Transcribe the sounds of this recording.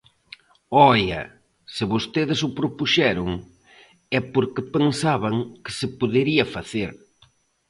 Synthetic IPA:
ɔjɐ̰ | sɪβost̪eðɪsʊpɾopuʃɛɾʊŋ | ɛpoɾkɪpeŋsaβɐŋkɪ̥sɪpoðeɾiɐfaθeɾ

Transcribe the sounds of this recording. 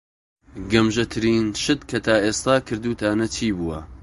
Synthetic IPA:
ɡɐmʒɐt̪ʰɨɾiːnʃɨt̪kʰɐt̪ʰaːʔeːst̪aːkʰɨɾd̪uːt̪ʰaːnɐt͡ʃʰiːbuːwɐ

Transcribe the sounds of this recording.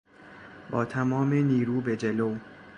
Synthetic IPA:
bɒːt̪ʰæmɒːmeniːɾuːbe̞d͡ʒelow

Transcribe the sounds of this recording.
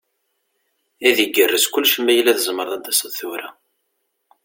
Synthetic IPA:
æðəɡːərːəskʷʊlːʃəmːæjəlæðəzməɾˤðˤæd̪ːæsəðθuɾæ

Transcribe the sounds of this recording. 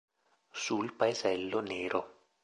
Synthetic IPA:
sulpaezɛlːoneːɾo

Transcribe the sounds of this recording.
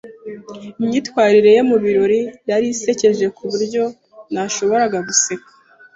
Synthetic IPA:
imɲiːtwaːɾiɾe̞jomuβiɾo̞ɾijaɾise̞ce̞ʒe̞kuβuɾɟo̞ | naʃo̞βo̞ɾaɡaɡuse̞kḁ

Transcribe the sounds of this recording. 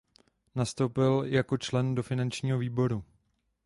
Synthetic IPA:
nast̪owpɪljako̞t͡ʃlɛndo̞fɪnant͡ʃɲiːɦo̞viːbo̞ɾu

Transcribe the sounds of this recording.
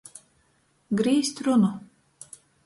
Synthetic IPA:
ɡɾiːsʲt̪ʲɾunu

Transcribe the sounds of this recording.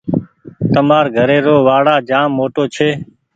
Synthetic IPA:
t̪əmaːɾɡʱəɾeːɾoːʋaːɽaːd͡ʒaːmːoːʈoːt͡ʃʰeː

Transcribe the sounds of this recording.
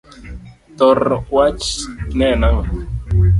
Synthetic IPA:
t̪ɔrwat͡ʃnɛnawa

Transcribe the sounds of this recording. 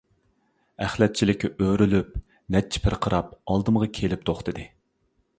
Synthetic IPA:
æχlɛt̪̚t͡ʃʰilɪkʲːiʔøɾylyp̚ | nɛt͡ʃʰi̥pʰɪɾqʰəɾɑp̚ɑlˠd̪ɨmʁɑkʲʰelɪp̚t̪ʰoχt̪ɨd̪ɨ

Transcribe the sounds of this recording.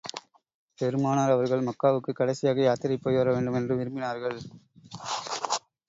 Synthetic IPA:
pɛɾɯmaːnaːɾɐʋɐɾɣɐɭmɐkːaːʋɯkːɯkːɐɽɐsɪjaːɣɐjaːt̪ɪɾɐɪpːoːjʋɐɾɐʋeːɳɖɯmɛndrɯʋɪɾɯmbɪnaːɾɣɐɭ

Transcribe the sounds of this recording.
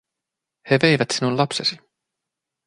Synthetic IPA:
he̞ve̞jvæt̪sinullɑpsesi

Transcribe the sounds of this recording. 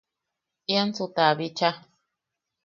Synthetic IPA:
jant͡sut̪aβit͡ʃa

